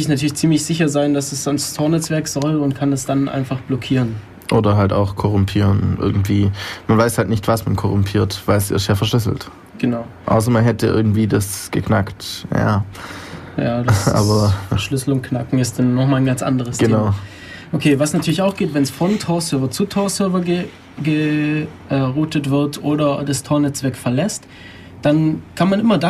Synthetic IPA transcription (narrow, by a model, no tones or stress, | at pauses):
ɪçnatʰyːɐlɪçt͡siːmlɪçz̥ɪçɐzaɪndasd̥asz̥ɔnst͡sʰɔːɐnɛt͡sv̥ɛɐkz̥ɔlʊnt̚kʰandasd̥anʔa̰ɪnfaχb̥lɔkʰiːʁən | ʔoːdɐɦalta̰ʊxkʰɔʁʊmpʰiːʁənʔɪ̰ɐɡŋ̩tv̥iːmanvaɪshaltnɪçtv̥asmankʰɔʁʊmpʰiːɐtvaɪlsɪ̰tjaːfɛɐʃlʏs̬l̩t | ɡ̥ənaʊʔa̰ʊs̬ɐmanɦɛtəʔɪ̰ɐɡŋ̩tv̥iːdasɡ̥əknaktja̰ː | jaːdʔʔa̰ːbɐʃlʏsl̩ʊnt̚knakŋ̩ɪstd̥anːɔχmaːlənɡant͡sʔa̰ndəʁ̞əsɡ̥ə̥naʊ | ʔokʰeːvasnatʰyɐlɪçaʊxɡ̥eːtvɛnsfɔntʰɔːɐsœɐvɐt͡sutʰɔːɐsœɐvɐɡə | ɡəʔɛːʁuːtətv̥ɪɐtʰʔoːɾɐdastʰɔːɐnɛt͡sv̥ɛɐkfɛɐlɛst | d̥ankʰanmanʔɪmɐda